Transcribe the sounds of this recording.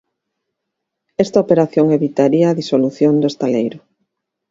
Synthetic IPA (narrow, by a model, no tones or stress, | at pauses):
ɛst̪aopeɾaθjoŋeβit̪aɾiɐːðisoluθjond̪ʊest̪alejɾʊ